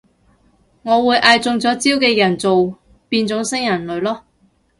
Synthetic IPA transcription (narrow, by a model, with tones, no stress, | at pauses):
ŋɔː˨˧wuː˨˧jʔaː˨˧jt͡sʊ˧ŋt͡sɔː˨˥t͡siː˥wkɛː˧jɐ˨˩nt͡so˨w | piː˧nt͡sʊ˨˥ŋsɪ˥ŋjɐ˨˩nlɵ˨˧ɥlɔː˥